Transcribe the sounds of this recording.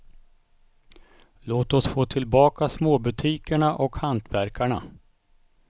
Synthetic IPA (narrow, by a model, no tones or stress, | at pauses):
loːt̪ɔsfoːt̪ʰɪlbɑːkasmoːbɵt̪ʰiːkəɳaʔɔkhant̪ʰvæɾkʰaɳa̰